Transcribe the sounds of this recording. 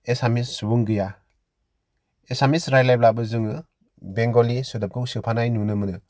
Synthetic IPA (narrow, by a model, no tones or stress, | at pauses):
esamisːubuŋɡɯja | esamisɾajlajb̚labɯzɯŋɯ | beŋɡolisɯdɯp̚kʰuŋsɯpʰanajnunɯmɯnɯ